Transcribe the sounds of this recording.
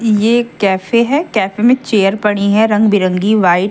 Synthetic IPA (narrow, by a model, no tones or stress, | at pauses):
jeːkɛːfeɦɛkɛːfemẽt͡ʃeːəɾpɐɽ̃iɦɛɾɐ̃ŋɡbɪɾə̃ŋɡiʋaːɪ